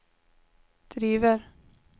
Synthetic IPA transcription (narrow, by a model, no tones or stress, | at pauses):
d̪̥ɾiːvəɾ